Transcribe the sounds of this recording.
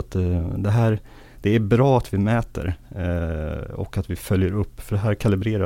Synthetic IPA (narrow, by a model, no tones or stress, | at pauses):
t̪d̪ɛɦæːɾ | d̪̥ɛæɾbɾɑːat̪vɪmɛːt̪ə̰ɾ | ɔ̰kat̪vɪfœljəɾɵpːfœɖɛɦæːɾkʰalɪbɾeːɾa